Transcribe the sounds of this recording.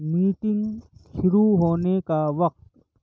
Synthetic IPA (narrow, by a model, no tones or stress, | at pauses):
miːʈɪ̃ŋɡʃʊɾuɦoːnekaʋɐq̚t̪